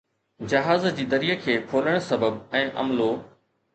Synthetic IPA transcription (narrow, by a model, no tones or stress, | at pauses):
d͡ʑɐɦaːzd͡ʑiːd̪ɐɾijəkʰeːpʰoːləɽ̃sɐbəbɛ̃ːʔɐ̰mlo